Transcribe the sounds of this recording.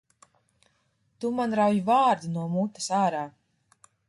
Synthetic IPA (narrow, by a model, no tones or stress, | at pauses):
t̪umanɾawjvaːɾd̪unuɔmut̪ːḁsaːɾaː